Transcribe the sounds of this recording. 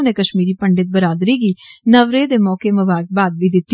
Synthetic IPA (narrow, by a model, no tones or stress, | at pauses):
neːkəʃmiːɾiːpəɳɖɪt̪̚bəɾaːd̪ɾiːɡiːnəʋɾeːd̪eːmɔːkeməbaːɾək̚baːd̪̚ʋiːd̪ɪt̪ː